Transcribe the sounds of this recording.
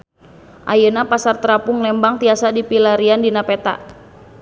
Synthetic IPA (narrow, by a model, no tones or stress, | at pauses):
ʔajənapasart̪əɾapʊŋlɛmbaŋt̪iasadipilaɾiandinapɛt̪a̰